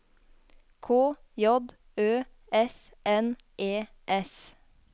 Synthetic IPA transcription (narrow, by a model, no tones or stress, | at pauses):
kʰoː | jɔd̪ | øː | ɛs | ʔɛn | ʔeː | ʔɛs